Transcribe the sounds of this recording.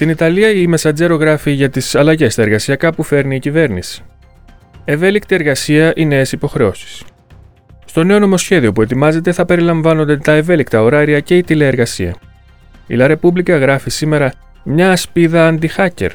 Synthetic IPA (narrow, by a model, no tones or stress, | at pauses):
st̪init̪ɐliɐime̞sɐd͡ze̞ɾo̞ɣɾɐfiʝɐt̪isɐlɐʝe̞st̪ɐeɾɣɐsiɐkɐpufe̞ɾniːcive̞ɾnisi̥ | e̞ve̞lik̚t̪ie̞ɾɣɐsiɐʔine̞ːsipo̞xɾe̞o̞si̥s | st̪o̞ne̞o̞no̞mo̞sçe̞ðio̞pue̞t̪imɐze̞t̪e̞θɐpe̞ɾilɐɱvɐno̞nd̪e̞t̪ɐe̞ve̞likt̪ɐo̞ɾɐɾiɐce̞it̪ile̞eɾɣɐsiɐ̰ | ḭlɐɾe̞publikɐɣɾɐfisime̞ɾɐ | mɲɐːspiðɐːnd̪ixɐce̞̰ɾ